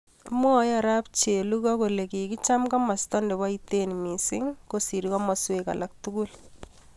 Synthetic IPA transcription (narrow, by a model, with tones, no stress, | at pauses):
mwɔ˦ja˨ɾa˦p̚t͡ʃe˨lu˦kɔ˦ko˨le˨ki˨ki˦t͡ʃa˦mkɔ˦ma˨stɔ˦nde˨ba˦itenmi˨sɪ˦ŋko˨si˨ɾikɔ˦mɔ˨sweka̰˨lʔa˨k̚tu˦ɡu˦l